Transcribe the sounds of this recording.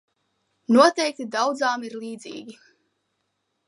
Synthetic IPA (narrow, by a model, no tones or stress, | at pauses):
nuɔt̪ɛjk̚t̪id̪awd̪zaːmiɾliːd̪zḭːɡʲi